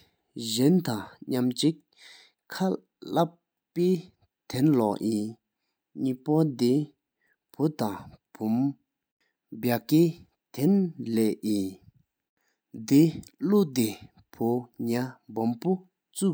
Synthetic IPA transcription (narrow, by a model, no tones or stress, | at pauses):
ʑɛnt̪aŋɲamt͡ɕiʔ | kʰːa | lap | pːeː | t̪ʰenlɔʔʔiː | ɲiːpɔd̪e | pʰot̪aŋpʰum | bakeː | t̪ʰenlɛːʔʔiː | d̪iluʔt̪e | pʰoɲabompo | t͡su